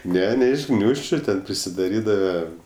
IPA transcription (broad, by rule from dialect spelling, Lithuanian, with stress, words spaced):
ˈnʲɛ ˈnʲɛ ɪʃ ˈɡnʲuːʃʲt͡ʃʲʊ tʲɛn pʲrʲɪsʲɪˈdɑːrʲiːdɐʋɐ